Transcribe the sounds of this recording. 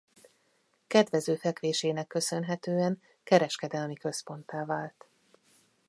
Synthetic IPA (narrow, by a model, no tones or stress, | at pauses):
kɛd̪ʋɛzøːfɛkʋeːʃeːnɛkːø̞sø̞nɦɛt̪øːɛŋ | kɛɾɛʃkɛd̪ɛlmikø̞spo̞nt̪aːvaːlt̪